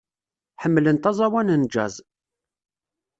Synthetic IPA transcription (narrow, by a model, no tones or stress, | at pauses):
ħəmːlənt̪ɑzˤɑwænənd͡ʒæz